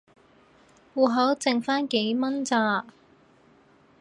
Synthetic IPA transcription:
wuː˨˩ɦɐ˨˥wt͡sɪ˨ŋfaː˥nke˨˥jmɐ˥nt͡saː˧

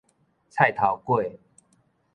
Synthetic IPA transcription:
t͡sʰa˥˨ɪt̪ʰa˨˩ʊkwe˥˨ɪ

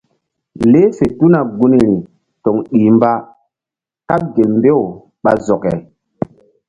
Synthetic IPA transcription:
le˦se˨tu˦na˨ɡu˦ni˨ɾi˨ | to˨ŋɗiː˨mba˦ | ka˦p̚ɡe˨lmbe˦w | ɓa̰˨zɔ˨kɛ˨

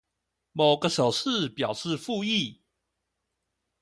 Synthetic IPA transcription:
mo˨˩ʊɡə˧ʂo˨˩ʊʂɹ̩˥˨pjɑ˨˩ʊʂɻ̩˥˧fu˥˧i˥˩

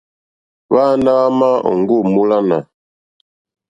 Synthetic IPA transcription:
βa˦na˦ɣa˦ma˦ɔ̰˨ŋ˦ɡu˦˨mu˦la˦na̰˨

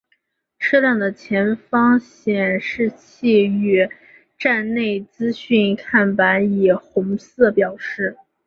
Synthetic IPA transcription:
ʈ͡ʂ̩ʰ˥ljɑ˥˩ŋd̪ə˩t͡ɕʰjɛ˧˥nfɑ˥ŋɕjɛ˨˩nʂɻ̩˥˧t͡ɕʰi˥˧y˥˩ | ʈ͡ʂa˥˧nne˥˩ɪt͡sɹ̩˥ɕy˥˩nkʰa˥˩npa˧˥ni˨˩xʊ˧˥ŋsɹ̩˥˩pjɑ˨˩ʊʂɻ̩˥˩

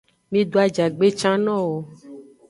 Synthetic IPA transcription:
mĩ˦ɖo˦a˨d͡ʒa˨ɡ͡be˦t͡ʃã˦nɔ̃˦wo˨

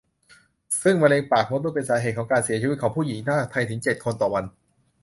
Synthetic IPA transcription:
sɯ˥˩ŋwa˧nleː˧ŋpaː˨˩k̚mo˦˥t̚muː˥˩pe˧nsaː˩˦ɦeː˨˩t̪̚kʰɔː˩˦kaː˧nsi˨˩˦ɐt͡ɕʰi˧i˦˥kʰɔ˩˦ŋpʰuː˥˩ji˩˦ŋt̪ʰaː˥˩t̪ʰa˧jt̪ʰɯ˩˦ŋt͡ɕe˨˩t̪̚kʰo˧nt̪ɔː˨˩wa˧n

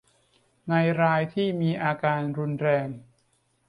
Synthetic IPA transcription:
na˧jɾaː˧jt̪ʰiː˥˩miː˧ʔaː˧kaː˧nɾu˧nɾɛː˧ŋ

